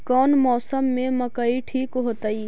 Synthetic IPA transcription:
kɔːnmɔːsəmːẽmɐkaiʈʰiːkɦoːt̪aiː

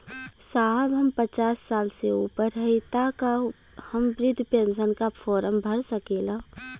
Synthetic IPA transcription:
saːɦəbɦɐmpət͡ʃaːsːaːlseuːpəɾɦɐet̪akahɐmbɾɪd̪ʱːpẽːnsənkafʰɔːɾəmbʱɐɽsəkeːlaː

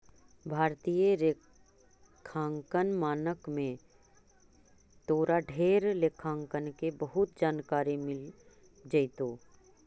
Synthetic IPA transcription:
bʱaːɾt̪iːjəɾe | kʰãːŋkənmaːnəkmẽ | t̪oːɾaɖʱeːɾleːkʰãːŋkənkebəɦʊt̪̚d͡ʒaːnkaːɾimɪl | d͡ʒɐɪt̪oː

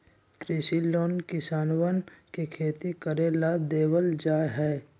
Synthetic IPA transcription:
kɾɪʃiloːnkɪsaːnwənkikʰeːt̪ikəɾeːlad̪eːwəld͡ʒaːɦɛː

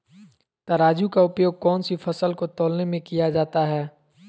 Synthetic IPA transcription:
t̪ɐɾaːd͡ʒukaʊpjoːɡ̚kɔːnsifʰɐsəlkot̪oːlnemẽkijad͡ʒaːt̪aɦɛː

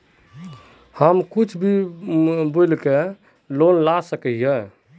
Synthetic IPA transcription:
həmkut͡ʃʰbʱi | bolke | lonlasəkɛjɛ

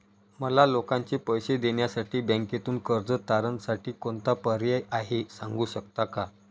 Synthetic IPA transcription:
məlalokãɲt͡ɕepəjɕed̪eɳjasaʈiːbɛ̃ŋket̪uːnkəɾd͡zət̪aɾənsaʈiːkont̪apəɾjəjʔaɦesaŋɡuːɕəkt̪aka

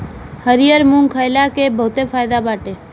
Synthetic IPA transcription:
həɾijəɾmuŋkʰəjlakebʱəɦut̪efʰaːjd̪abaʈe

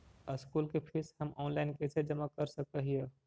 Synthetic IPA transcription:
əskulkepʰiɾsɦəmɔːnlaɪnket͡ʃʰed͡ʒəmakəɾsəkəɦijə

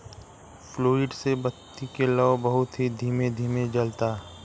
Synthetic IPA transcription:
fʰloːɪɖsebət̪ːikelɔːbɐɦʊt̪ɦid̪ʱiːmed̪ʱiːmed͡ʒɐlt̪aː

